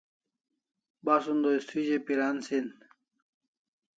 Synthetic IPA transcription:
baːsund̪oist̪ʰid͡ʑepiɾaːnsin

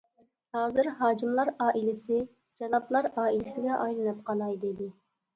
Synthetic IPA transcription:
hɑːzɨɾɦɑːkimlˠɑɾɑːʔilɪsɪ | d͡ʒɑlˠɑplˠɑɾɑːilɪsɪɡʲɛʔɑjlˠɨnɨp̚qʰɑlˠɑjd̪ed̪ɪ

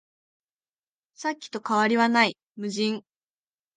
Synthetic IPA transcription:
sakʲːi̥t̪o̞kaβaɾʲiβanai | mɯ̟ʑĩŋ

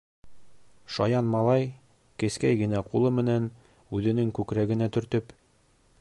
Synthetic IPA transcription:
ʃɑjɑnmɑlˠɑj | kɘ̆skæjɡɘ̆næqulˠɤmɘ̆næn | ʉðɘ̆nɘŋkʉkɾæɡɘ̆næt̪ɵ̆ɾt̪ɵp

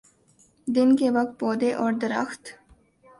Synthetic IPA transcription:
d̪ɪnkeʋɐk̚t̪̚poːd̪eʔɔːɾd̪əɾə̰xt̪

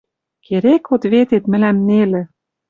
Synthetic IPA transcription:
kʰeɾekot̪βet̪et̪mɘ̆læmnelɘ̆

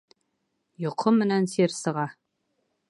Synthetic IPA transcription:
jŏqʰːɤmːɘ̆nænseɾsɤ̆ʁɑ

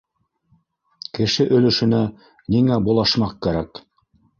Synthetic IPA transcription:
kɘ̆ʃɘʔɵ̆lɵ̆ʃɵ̆næ | niŋæbulˠɑʃmɑq̚kæɾæk

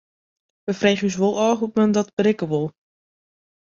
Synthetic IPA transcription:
ʋəfreːχəys̬ʋolˠɔːɦut̚məndɔtb̥əɾɪkəʋolˠ

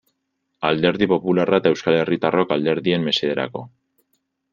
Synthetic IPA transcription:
ald̪e̞ɾðipo̞pularaet̪ae̞wskale̞rit̪aro̞kald̪e̞ɾðie̞mːe̞seeɾa̰ko̞

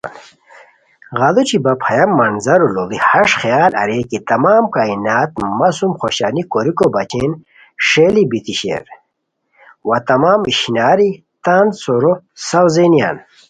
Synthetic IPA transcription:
ɣɐlut͡ɕibɐpʰɐjɐmːɐnzɐɾuloɡihɐʂxijaːlɐ̰ɾekit̪ɐmaːmkaːinaːt̪mɐsumxoɕaːnikoɾikobɐt͡ɕeːn | ʂeːlibit̪iɕḛɾ | wat̪ɐmaːmiɕinaːɾi | t̪aːnd̪soɾo | sɐwzeːnija̰ːn

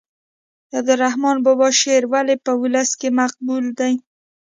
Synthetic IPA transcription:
jad̪əɾahmɑnbobɑʃeɾwalepəwʊləskemaq̚buld̪aj

